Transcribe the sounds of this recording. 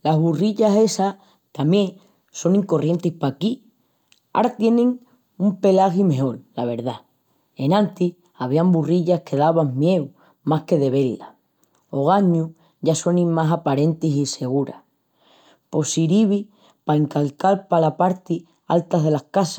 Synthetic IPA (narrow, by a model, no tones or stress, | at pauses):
lazβuriʎase̞sa | t̪amjẽ̞ŋ | so̞ŋĩŋko̞rje̞nt̪ihpaki | a̰ɾat̪je̞nẽ̞ŋ | umpe̞laxime̞o̞llaβ̞e̞ɾða | e̞nãnt̪i | aβ̞iamburiʎahke̞ðaβamje̞w | mahke̞ð̞e̞βe̞la | o̞ɣ̞aɲu | ɟ͡ʝaso̞nĩŋmasapaɾe̞nt̪isise̞ɣ̞uɾa̰h | po̞siɾiβi | paeŋkalkalpalapaɾt̪i | a̰lt̪aðe̞lahkasa